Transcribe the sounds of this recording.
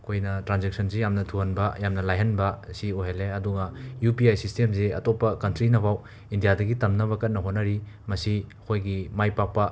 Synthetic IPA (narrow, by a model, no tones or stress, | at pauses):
ɐkʰojnɐtɾanzek̚sʰɐnsejamnɐtʰuhɐnbɐjamnɐlajɦɐnbɐsioɦeleɐduɡɐjupiajsistemseɐ̰topːɐkɐntɾinɐβaw | indijadɐɡitɐmnɐβɐkɐt̚nɐɦotnːɐɾi | mɐsiɐkʰojɡimajpak̚pɐ